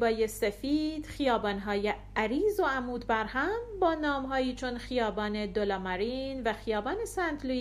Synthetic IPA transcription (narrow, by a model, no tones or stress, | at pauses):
bɒːjesefiːd̪̥xijɒːbɒːnɦɒːje | æɾiːzoæmuːd̪bæɾhæmbɒːnɒːmɦɒːjiːt͡ʃʰonxijɒːbɒːne̞d̪olɒːmæɾiːnvæxijɒːbɒːne̞sænd̪lu